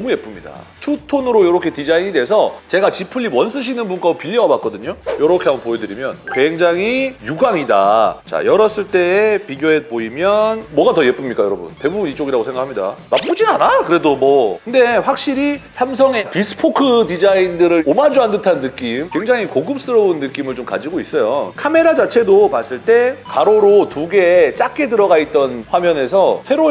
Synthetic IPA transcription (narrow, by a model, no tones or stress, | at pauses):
ʌmuje̞p͈ɯmɲida̰tʰutʰonɯɾojʌɾʌkʰe̞tid͡ʑaiɲidwe̞sʰʌt͡ɕe̞ɡat͡ɕipʰɯʎːiwʌns͈ɯɕ̬ʰinɯnbunk͈aopiʎːʌɡbak͈ʌdɯɲojʌɾʌkʰe̞ambʌnpojedɯɾimjʌnkweŋd͡ʑaŋɦijuɡaŋida̰t͡ɕa̰jʌɾʌs͈ɯɭt͈e̞ːpiɡjoepoimjʌnmwʌɡatʌje̞p͈ɯmɲik͈ajʌɾʌbṵnte̞bubunit͡ɕ͈oɡiɾaɡosʰe̞ŋɡakʰamɲida̰nap͈ud͡ʑinanakɯɾe̞domʌkɯnde̞ɸwak̚ɕ͈iɾisʰams̬ʰʌŋe̞pisʰɯ̥pʰokʰɯdid͡ʑaindɯɾɯɭomad͡ʑuandɯtʰanːɯk͈imkwe̞ŋd͡ʑaŋikoɡɯp̚s͈ɯɾʌunːɯk͈imɯɭt͡ɕomka̰d͡ʑiɡois͈ʌjo̰kʰame̞ɾad͡ʑat͡ɕʰe̞dopas͈ɯɭt͈e̞kaɾoɾotuɡe̞t͡ɕ͈ak͈ʰe̞dɯɾʌɡait̚t͈ʌnɸwamjʌne̞sʰʌsʰe̞ɾo